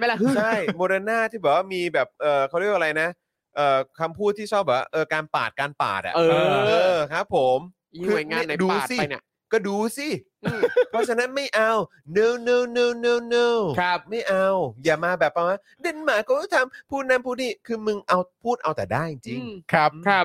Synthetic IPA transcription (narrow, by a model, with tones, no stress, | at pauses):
ma˥˩˦t͡ɕʰa˥˩jmoː˧ɾaː˧naː˥˩t̪ʰiː˥˩bɛː˨˩waː˥˩miː˧bɛː˨˩p̚ʔɤː˨˩kʰa˧˩ɾi˥˩ək̚ʔɾa˧jna˦˥ | ʔɤː˨˩kʰa˧mpʰuː˦˥˩t̪ʰːiː˥˩t͡ɕʰɔː˥˩p̚bɛː˨˩wa̰ː˥˩ʔɤː˧kaː˧npa̰ː˨˩t̪̚kaː˧npa̰ː˨˩t̪̚a̰˧ʔɤːʔɤː˧kʰa˦˥pʰːo˨˩˦mː˧ | kʰɯː˧a˨˧˩ŋaːa˥˧˩nːa˧duː˧˨˩si˧a˩˧jn˧˩ | kɔː˥˩duː˧si˧˥˩ | pʰɔ˦˥t͡ɕʰa˧na˦˥nma˥˩jʔa˧w | nɤː˧wnoː˧wnoː˧˩wnː˧wnoː˧wkʰa˦ma˥˩jʔa˧wjaː˨˩maː˧bɛː˨˩p̚ʔa˧waː˥˩ | de˧nmaː˨˦kɔː˥˩ɔː˥˩t̪ʰa˧mpʰuː˥˩t̪̚na˧mpʰu˥˩niː˥˩kʰɯː˧mɯ˧ŋʔa˧wpʰuː˥˩t̪̚ʔa˧wt̪ɛː˨˩daː˥˩ji˧ŋt͡ɕi˧ŋkʰa˦˥˧k̚ʰ